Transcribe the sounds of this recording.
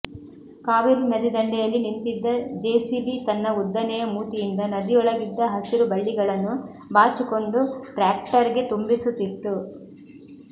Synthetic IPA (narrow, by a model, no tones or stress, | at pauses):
kaːʋiɾnɐd̪id̪ɐɳɖɛjɐlːinint̪id̪ːɐd͡ʒeːsibit̪ɐnːɐud̪ːɐnɛjɐmuːt̪ijind̪ɐnɐd̪iɔɭɐɡid̪ːɐɦɐsiɾubɐɭːiɡɐɭɐnːu | baːt͡ʃiko̞ɳɖuʈɾaːk̚ʈɐɾiɡe̞t̪umbisut̪ːit̪ːu